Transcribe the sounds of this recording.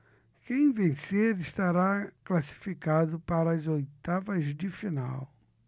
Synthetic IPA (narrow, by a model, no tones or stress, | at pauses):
kẽj̃vẽseɾɪst̪aɾaklasi̥fikad̪ʊpaɾɐɐzojt̪avɐzd͡ʒ̪ɪfina̰w